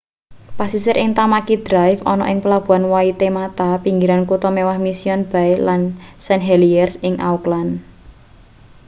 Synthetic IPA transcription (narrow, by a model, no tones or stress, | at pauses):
pasisɪɾʔɪŋt̪amakid̪̥ɾajfɔnɔ̰ʔɪŋpəlab̥ṳanwait̪emat̪apiŋɡiɾankut̪ɔmewahmisiɔnb̥a̤elansɛnɦɛliɛrsɪŋʔauklan